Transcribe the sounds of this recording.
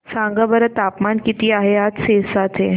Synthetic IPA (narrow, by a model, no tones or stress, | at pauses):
sãŋɡəbəɾət̪apmankit̪iːaɦeat̪sesat̪ʰe